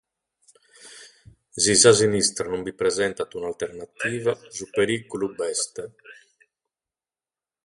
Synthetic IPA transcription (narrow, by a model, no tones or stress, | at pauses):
zizazinist̪ɾanumbipɾɛzɛnt̪at̪unalt̪eɾnat̪iːvazupeɾikulubɛst̪e